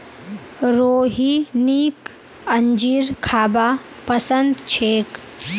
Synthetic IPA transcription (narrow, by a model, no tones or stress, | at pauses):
ɾoːɦiniːk | əɲd͡ʒiːɾkʰaːbaː | pɐsənd̪t͡ʃʰeːk